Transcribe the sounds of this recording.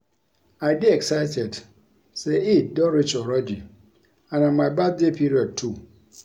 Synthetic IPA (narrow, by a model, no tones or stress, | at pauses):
ajdiɛksaɪtʰɛd | seit̚dɔɾit͡ʃɔɾɔdi | ãnãmabad̚depʰiɾiɔd̚tʰu